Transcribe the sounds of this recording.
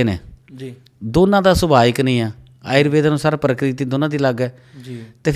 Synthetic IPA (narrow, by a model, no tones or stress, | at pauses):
eːnḛː | d̪oːnãːd̪aːsʊbaːɪknĩːaː | aːɪɾbeːd̪aːnũːsaːɾaːpəɾəkɾit̪iːd̪oːnãːd̪iːləɡɛː | t̪eːp